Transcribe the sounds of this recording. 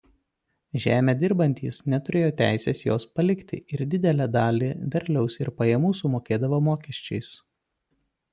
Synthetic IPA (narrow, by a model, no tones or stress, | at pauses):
ʒʲæːmʲeːd̪ʲɪɾbɐnʲt̪ʲḭːsnʲɛt̪ʊɾʲeːjoːt̪ʲæˑɪsʲeːsjoːspɐlʲɪkt̪ʲɪ̰ʔɪɾd̪ʲɪd̪ʲɛlʲæːd̪ɑːlʲiːʋʲɛɾʲˑlʲɛʊsɪɾpɐjɛmuːsʊmoːkʲeːd̪ɐʋɐmoːkʲɛʃʲt͡ʃʲɛɪs